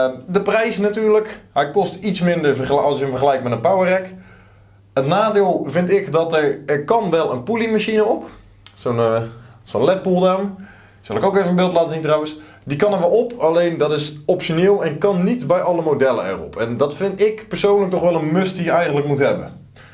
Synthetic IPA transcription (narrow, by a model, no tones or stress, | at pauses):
dəprɛjsnatyːɹləkɦɛjkɔstitsmɪndəɹəɑsjəəmvərχəlɛjk̚mɛtənpawərɛk | ətnaːdɪːlˠvɪntɪkdɑtəɹɛɹkɑnʋɛlˠənpulimaʃinəɔp | sonsonlɛt̚pulˠdam | sɑlˠɪkowkeːvəmbɪːlˠtlaːtəzintrawəns | dikɑnəɹʋɛlˠɔpɑlejndɑtɪsɔpʃoneːlˠɛnkɑnːitbɛjɑləmodɛlə̰ɛ̰rɔ̰pʰɛndɑtfɪntɪkpəɹsownlək̚tɔχʋɛlˠənmɵsdijəɛjɣənləkmutɦɛbə̰n